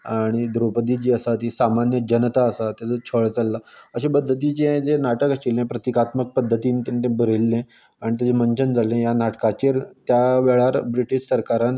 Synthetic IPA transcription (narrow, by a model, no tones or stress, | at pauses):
aɽ̃id̪ɾopəd̪id͡ʑiːəsat̪isamanjəd͡ʑənt̪aəsat̪jat͡sət͡ɕʰəɭt͡salːaəɕepəd̪ʱːət̪̬it͡ɕed͡ʑenaʈəkəɕilẽpɾət̪ikat̪mək̚pəd̪ʱːət̪iːnt̪ent̪ẽbəɾilːẽ | aɽ̃it̪̬jad͡ʑemənt͡ɕənd͡zalẽjanaʈkat͡ɕeɾt̪jaʋeɭaɾbɾiʈiɕsəɾkaɾan